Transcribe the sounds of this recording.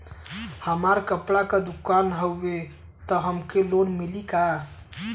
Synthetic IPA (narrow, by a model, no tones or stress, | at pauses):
həmaɾkəpɽakad̪ukanɦəwːe | t̪ɔɦəmkelonmilika